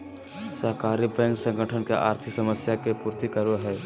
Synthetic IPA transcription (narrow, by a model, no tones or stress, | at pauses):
səɦkaːɾipeŋɡsə̃ŋɡʱəʈʰənkeʔaːɾt̪ʰɪsəməsjakepuːɾt̪ikəɾoɦɛː